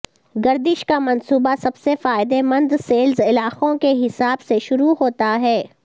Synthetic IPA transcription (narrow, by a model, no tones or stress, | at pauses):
ɡɐɾd̪ɪʃkamɐnsuːbasɐbsefaːɪd̪emɐ̃nd̪seːlzɪlaːqõkeɦɪsaːbseʃʊɾuɦoːt̪aɦɛː